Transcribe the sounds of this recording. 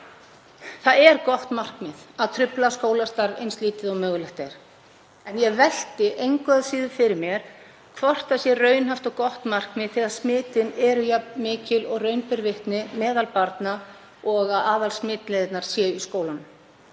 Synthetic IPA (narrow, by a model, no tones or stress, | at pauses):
θaðɛɾkɔht̪mar̥kmɪðaðt̪ʰɾʏplaskoːwlast̪aɾvḛjnst̪liːt̪ɪðaɣmœːɣlɛht̪aɾ̥ | ɛnjɛvɛl̥t̪ɪʔejŋkaðaðsiːðʏfɪɾɪɾmjɛɾ̥ | kʰvɔr̥t̪asjɛrœːɥnɦaft̪ɔɣkɔht̪mar̥kmɪðθɛːɣaɾ̥smɪːt̪ɪnɛɾʏjapmɪːcɪlɔɣrœɥnpɪɾvɪht̪nɪmɛːðalpaɾt̪na | ɔɣaðaːðalsmɪːt̪lɛðɪt̪naɾ̥sjɛyskoːwlan